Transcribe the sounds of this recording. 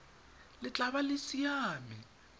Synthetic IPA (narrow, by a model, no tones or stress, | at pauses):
lɪt͡ɬʼaβalɪsijaːmi